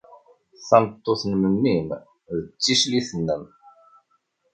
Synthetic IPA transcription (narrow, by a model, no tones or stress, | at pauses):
θɑnət̪ˤːoθnmənːim | ðət͡sːiʃliθənːəm